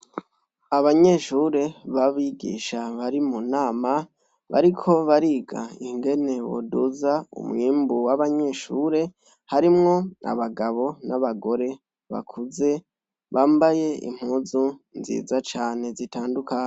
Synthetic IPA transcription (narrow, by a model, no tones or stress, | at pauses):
aβaɲe̞ʃuɾe̞βaβiɡḭːʃaβaɾimunaːma | βa̰ɾikʰo̞βaɾiːɡa̰iŋɡe̞ne̞wo̰duzaṵmŋiːmbuwaβaɲe̞ʃuːɾe̞ | haɾimŋo̞a̰βaɡaβo̞naβaɡo̞ɾe̞ | βa̰kʰuze̞ | βaːmbaje̞ḭm̥huzunzḭːzat͡ʃaːne̞zitaːndukaːɲe